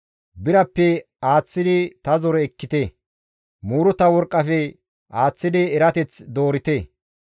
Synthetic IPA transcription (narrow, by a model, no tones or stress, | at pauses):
bɪɾɐpːɛ | aːt͡sːɪd̪ɪt̪ɐzɔɾɛɛkːɪt̪e | muːɾʊt̪ɐwɔɾkʼːɐfɛ | ʔaːt͡sːɪd̪ɪɛɾɐt̪ɛt͡sd̪o̞ːɾɪt̪e